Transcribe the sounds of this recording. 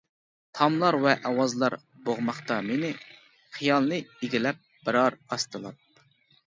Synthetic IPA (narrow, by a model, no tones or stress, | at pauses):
t̪ʰɑmlˠɑɾvɛʔɑwɑzlˠɑɾ | boʁmɑχt̪ɑmenɪ | χijɑlˠnɨiɡʲilɛp̚b̥ɪɾɑɾɑst̪ɨlˠɑ̰p̚